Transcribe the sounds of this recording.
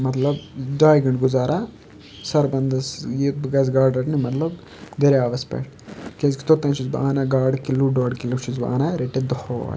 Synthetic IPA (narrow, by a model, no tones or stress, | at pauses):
mɐt̪lɐbɖaːjɡɐɳɖɡuzaːɾʔa | sɐɾbɐnd̪ɐsiut̪̚biɡɐːs̬ɡaːɾɖɐɾnimɐt̪lɐb | d̪eɾeaːʋɐspḛːʈ | kenski̥t̪ot̪ːɐ̃ːnt͡ʃʰuzbaːnaɡaːɾɖkilːuɖoːɖkilːut͡ʃʰuzba̰ːnaɾeʈːed̪oho̰